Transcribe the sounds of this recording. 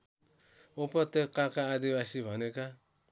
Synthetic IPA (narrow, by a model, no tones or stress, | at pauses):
ɔpɔtekakaːdiβasiβaneɡa